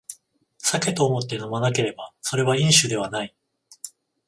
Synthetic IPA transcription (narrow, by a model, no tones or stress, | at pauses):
sake̞t̪o̞ːmo̞t̪ːe̞no̞manak̬e̞ɾe̞baso̞ɾe̞βaĩɰ̃ɕɨd̪e̞βanai